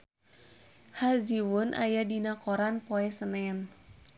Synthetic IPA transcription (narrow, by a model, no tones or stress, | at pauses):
haziwunʔa̰jadinakoɾanpoɛsənɛn